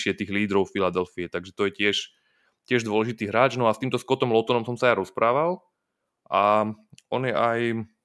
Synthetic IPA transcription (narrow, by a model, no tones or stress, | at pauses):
ʃɪɛt̪iːɣliːd̪ɾɔʊfilad̪ɛlfiɛt̪aɡʒɛt̪ɔjɛcɪɛʃ | cɪɛʒd̪ʋɔlɛʒit̪iːɦɾaːd͡ʒnɔast̪iːmt̪ɔskɔt̪ɔmlɔt̪ɔnɔmsɔmsajaɾɔspɾaːʋal | ʔaʔɔ̰njɛʔaj